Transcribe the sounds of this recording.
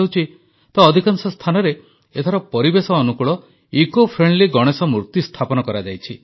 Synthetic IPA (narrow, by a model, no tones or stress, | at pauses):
wt͡ʃʰi | t̪ɔːd̪ʱikansɔst̪ʰanɔɾe | et̪ʰaɾɔpɔɾibesɔːnukuɭɔ | ikopʰɾeɳɖliɡɔɽ̃esɔmuɾt̪ist̪ʰapɔnɔkɔɾad͡ʒajt͡ʃʰi